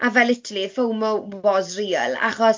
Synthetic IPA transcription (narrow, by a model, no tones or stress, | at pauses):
ʔavɛlˠɪtʰlifowmɔɔzriːəlˠa̰χɔs